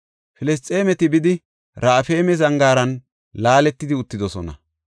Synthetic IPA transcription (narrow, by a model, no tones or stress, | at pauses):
fɪlɛs̬t̪ʼe̞ːmɛt̪ɪbɪd̪ɪ | ɾaːfe̞ːmɛzɐŋɡaːɾɐn | laːlɛt̪ːɪd̪ɪʊt̪ːɪd̪ɔsɔnɐ̰